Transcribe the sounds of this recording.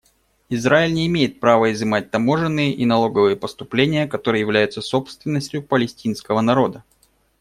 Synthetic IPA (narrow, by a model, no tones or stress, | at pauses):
ɪzɾaɪlʲnʲɪːmʲejɪt̪̚pɾavəɪzɨmat̚ʲt̪ɐmo̞ʐɨnːɨjəʔinɐlˠo̞ɡəvɨjəpəst̪ʊplʲenʲɪjəkɐt̪o̞ɾɨjəjɪvlʲæjʊt̪səso̞pst̪vʲɪnːəsʲtʲjʊpəlʲɪsʲtʲin̪skəvənɐɾo̞d̪ə